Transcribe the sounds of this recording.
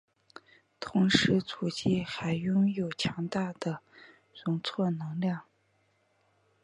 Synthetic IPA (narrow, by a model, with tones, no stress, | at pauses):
t̪ʰʊ˧˥ŋʂɻ̩˧˥t͡sʰu˨˩t͡ɕi˥˩xa˧˥ɪjʊ˥ŋjo˨˩ʊt͡ɕʰjɑ˧˥ŋt̪a˥˩d̪̥ə˩ | ɻʊ˧˥ŋt͡sʰwɔ˥˩nɤ˧˥ŋljɑ˥˩ŋ